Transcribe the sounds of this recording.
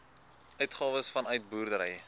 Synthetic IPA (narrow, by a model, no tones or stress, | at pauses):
œɥtχɑːvəsfɐnœɥt̚buːrdəɾɛ̰j